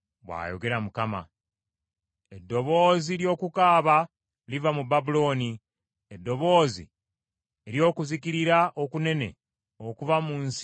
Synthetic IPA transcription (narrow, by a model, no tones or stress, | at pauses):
βwa̰ːjo̞̰ɡe̞ɾamukama̰ | edːo̞βo̞ːziljo̞ːkukaːβa | livamubabulo̞ːni | edːo̞βo̞ːzi | eɾjo̞ːkuzikiɾiɾaʔokune̞ne̞̰ | okuvamuns